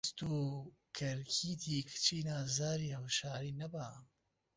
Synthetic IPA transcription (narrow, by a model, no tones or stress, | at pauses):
st̪uː | kʰɐɾkʰiːt̪ʰiːkʰt͡ʃʰiːnaːzaːɾiːhɐwʃaːɾiːnɐbaː